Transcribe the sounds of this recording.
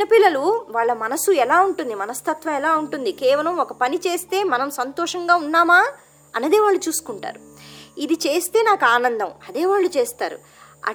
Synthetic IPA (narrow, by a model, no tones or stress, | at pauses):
nɐpilːɐluʋaːɭːɐmɐnɐsuɛlaːuɳʈund̪imɐnɐst̪ʰɐt̪ʋɐmɛlaːuɳʈund̪ikɛːʋɐlɐmɔkɐpɐnit͡ʃe̞ːst̪e̞ːmɐnɐmsɐnt̪ɔːʂɐŋɡaːunːaːmaː | ɐnːɐd̪e̞ːʋaːɭːut͡ʃuːsu̥kuɳʈa̰ːɾuid̪it͡ʃeːst̪e̞ːnaːkuaːnɐnd̪ɐmɐd̪eːʋaːɭːut͡ʃeːst̪aːɾṵ | ɐ̰